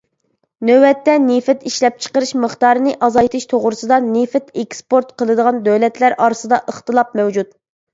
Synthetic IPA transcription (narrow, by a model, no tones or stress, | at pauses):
nøwɛt̪ːɛnefɛt̪iʃlɛp̚t͡ʃʰə̥qəɾɨʃməχt̪ɑːɾɨnɨʔɑzɑjt̪ʰɨʃt̪ʰoʁɾɨsɨd̪ɑnefɛt̪ekspoɾt̪qʰəlˠɨd̪əʁɑnd̪øwlɛt̪læɾʔɑːɾɨsɨd̪ɑʔəχt̪ɨlˠɑp̚mɛwd͡ʒut̪